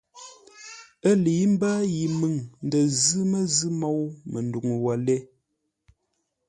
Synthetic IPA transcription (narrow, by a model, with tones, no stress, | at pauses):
ə˦li˨˦m̩˦baː˦ji˨mɨ˨ŋn̩˨də˨zɨ˦mə˦zɨ˦mɔ˦˨wmə˨n˨du˨ŋ˨wa˨lɛ˦